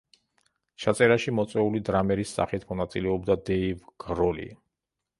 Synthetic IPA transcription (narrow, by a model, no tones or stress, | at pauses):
ʃat̪sʼɛɾaʃimɔt̪sʼwɛulid̪ɾamɛɾisːa̰χit̪ʰmɔnat̪sʼilɛɔbd̪ad̪ɛivɡ̥ɾɔlḭ